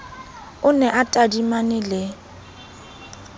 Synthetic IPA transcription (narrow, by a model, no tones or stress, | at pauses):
ʊnɛʔatʼadimanɪlɪ